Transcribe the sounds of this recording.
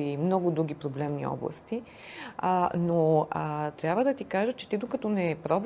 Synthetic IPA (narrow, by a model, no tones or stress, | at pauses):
imnɔɡʊd̪ɾuɡ̟ipɾoblɛmnḭɔ̰blˠə̰st̪i | noət̪ɾʲjabvəd̪ɐt̪ikaʒət͡ʃɛ̥t̪id̪okɐt̪ɔnɛpɾɔb